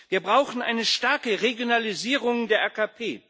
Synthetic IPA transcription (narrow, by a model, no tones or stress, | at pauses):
viːɐbʁaʊxn̩ʔa̰ɪnəʃtaɐkəʁeɡjonaliziːʁ̞ʊŋdeːɐʔaːkapʰeː